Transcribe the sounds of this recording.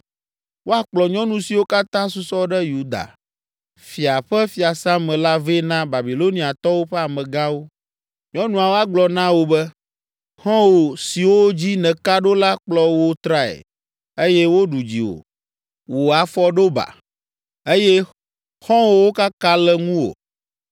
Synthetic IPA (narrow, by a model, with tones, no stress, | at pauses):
wo˦a˨k͡plɔ˨ɲɔ̃˦nũ˨si˨wo˦ka˦t̪ã˦su˦sɔ˦ɖɛ˦ju˦d̪a̰˨ | fi˨a˨ɸɛ˦fi˨a˨sã˦mɛ̃˨la˦ve˦nã˦ba˨bi˨lo˦nĩ˦a˨t̪ɔ˦wo˦ɸɛ˦a˨mɛ̃˨ɡã˦wo˦ | ɲɔ̃˦nũ˨a˨wo˦a˨ɡ͡blɔ˨nã˦wo˦bɛ˦ | xɔ̃˦wo˨si˨wo˦d͡ʑi˦nɛ̃˨ka˦ɖo˦la˦k͡plɔ˦wo˦t̪ɾa˦ɛ̰˨ | e˦jɛ˦wo˦ɖu˨d͡ʑḭ˨wo̰˨ | wo˨a˨fɔ˦ɖo˦ba̰˨ | e˦jɛ˦ | xɔ̃˦wo˦wo˦ka˦ka˦lɛ˦ŋũ˦wo̰˨